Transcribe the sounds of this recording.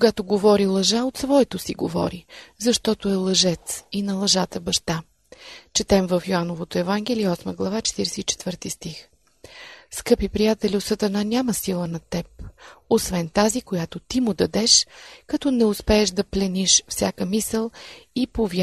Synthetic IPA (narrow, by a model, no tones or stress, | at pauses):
koɡat̪oɡovɔɾilˠɐʒaot̪svɔɛt̪osiɡo̰vɔ̰ɾizɐʃt̪ɔt̪oɛlˠɐʒɛt̪sinɐlˠɐʒat̪əbɐʃt̪a | t͡ʃɛt̪ɛmvəfjoanovot̪oɛvaŋɡ̟ɛliəɔsməɡlˠɐvat͡ʃɛ̥t̪iɾɛsɛit͡ʃɛ̥t̪vɤɾt̪ist̪ix | skɤpipɾijat̪ɛlʲiot̪sət̪ɐnanʲaməsilˠənɐt̪ɛp̚osvɛnt̪azikojat̪ot̪imʊd̪ɐd̪ɛʃkɐt̪ɔnɛʊspɛːʃd̪ɐplɛniʃfsʲja̰kəmisəlˠipovj